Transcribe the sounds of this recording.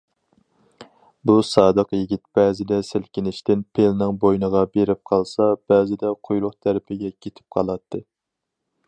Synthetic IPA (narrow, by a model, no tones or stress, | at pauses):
busɑːd̪əqjiɡʲit̪̚b̥ɛːzɪd̪ɛsɪlkʲinɪʃt̪ɪnpʰelnɪŋbojnəʁɑbeɾɪp̚qʰɑlˠsɑb̥æːzɪd̪ɛqʰojlˠʊχt̪ʰæɾɪpʰɪɡʲɛkʲʰet̪ʰɪ̥p̚qʰɑlˠɑt̪ʰːɨ